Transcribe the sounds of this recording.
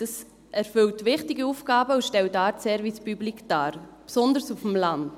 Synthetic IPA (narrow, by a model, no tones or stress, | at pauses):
d̥ɑs | ɛɾfʏltʋɪχtɪɡiufɡ̥ɑːbəuʃtɛwtɑːɾsɛɾvispyblikd̥aːɾpsɔnd̪əɾsufm̩lɑnt